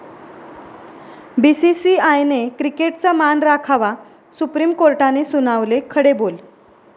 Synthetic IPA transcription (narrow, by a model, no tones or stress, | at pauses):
bisisiajnekɾikeʈt͡samanɾakʰaʋa | supɾimkoɾʈanesunaʋlekʰəɽebol